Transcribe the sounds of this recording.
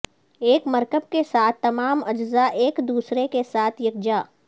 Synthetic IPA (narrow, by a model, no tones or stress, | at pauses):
eːkmɐɾkəb̚kesaːt̪ʰːɐmaːmɐd͡ʒzaʔeːkd̪uːsɾekesaːt̪ʰjɐk̚d͡ʒaː